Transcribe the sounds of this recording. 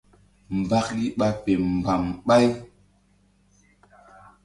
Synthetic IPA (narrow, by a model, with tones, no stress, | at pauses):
m̩˨ba˦kli˦ɓa˦pe˨m̩˨ba˨mɓa˦j